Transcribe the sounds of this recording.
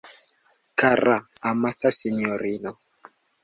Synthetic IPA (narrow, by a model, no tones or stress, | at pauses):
kaɾaamatasiɲɔɾinɔ